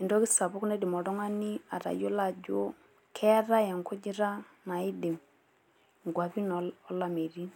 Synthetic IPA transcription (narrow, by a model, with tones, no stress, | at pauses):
i˨ndɔ˦kɪ˦sa˨bʊ˦knɛ˦di˨mɔ˨dɔ˦ŋa˦ni˦a˨ɾa̰˨jo˦la˨d͡ʒo˦ | kʰɛ˦ɾa˦ja˨ŋkɔ˦d͡ʒi˦ɾa˦ | na˨i˦di˨m | ŋɡwa˨pi˦nɔɔ˦la˨me˨ɾi˦n